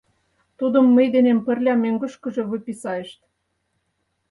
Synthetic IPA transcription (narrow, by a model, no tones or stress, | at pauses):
t̪ud̪ə̆mːəjd̪enempə̆rlʲɑmøŋɡə̆ʃkə̆ʒĕβɤpisɑeʃt̪